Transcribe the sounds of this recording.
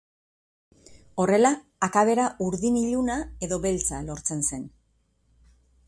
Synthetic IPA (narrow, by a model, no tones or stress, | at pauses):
o̞re̞laː | kaβ̞e̞ɾaʔuɾðiniʎunae̞ðo̞βelt͡salo̞ɾt͡se̞nse̞n